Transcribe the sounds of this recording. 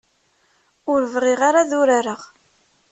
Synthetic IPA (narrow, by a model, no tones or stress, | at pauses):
ʊɾəvʁɪʁaɾaðʊɾaɾəʁ